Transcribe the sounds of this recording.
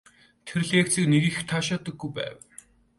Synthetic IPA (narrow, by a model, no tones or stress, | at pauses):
t̪ʰeɾ̆ɮjekt͡siːkneɣiːxt̪ʰaːʃaːt̪ə̆ɡːujpæ̰ːw